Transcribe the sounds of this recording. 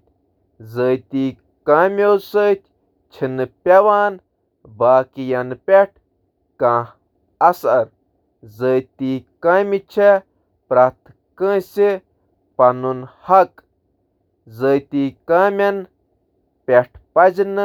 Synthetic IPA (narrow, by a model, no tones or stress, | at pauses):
zət̪iː | kaːmʲoːsəːt̪ʲ | t͡ʃʰinɨpʲɐʋaːn | baːkijɐnpʲeʈ̚ʰ | kãː | ɐsɐɾ | zət̪ikaːmit͡ʃʰe | pɾaːt̪ | kə̃ːsi | pɐnunhɐk | zəːt̪iːkaːmʲɐn | pʲeʈʰpɐznɨ